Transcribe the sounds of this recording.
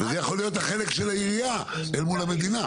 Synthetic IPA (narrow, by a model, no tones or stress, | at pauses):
vezejaχo̞lijo̞t̪haχe̞le̞kʃelajiʁija | elmulhame̞d̪ina